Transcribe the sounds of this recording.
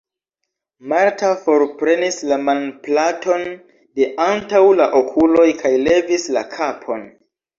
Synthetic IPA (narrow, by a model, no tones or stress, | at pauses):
maɾtafo̞ɾpɾe̞nislamanplatʰo̞n | de̞ʔantawlaʔokʰulo̞jkʰajle̞visla̰kʰapʰo̞n